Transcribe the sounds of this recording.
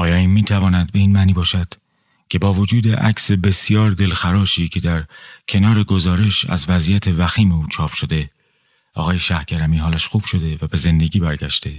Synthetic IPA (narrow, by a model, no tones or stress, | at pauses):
ʔɒːjɒːiːmmiːt̪ʰævɒːnæd̪be̞iːnmæːniːbɒːʃæd̪̥ | cʰe̞bɒːvo̞d͡ʒuːd̪e̞ʔæ̰kse̞be̞sjɒːɾd̪e̞lxæɾɒːʃiːcʰe̞d̪æɾcʰe̞nɒːɾe̞ɡo̞zɒːɾe̞ʃæ̰zvæzijæt̪ʰe̞væxiːmeuːt͡ʃʰɒːpʃo̞d̪e̞ | ʔɒ̰ːɣɒːje̞ʃæhcʰæɾæmiːɦɒːlæʃxuːb̥ʃo̞d̪e̞væbe̞ze̞nd̪e̞ɟiːbæɾɟæʃt̪e̞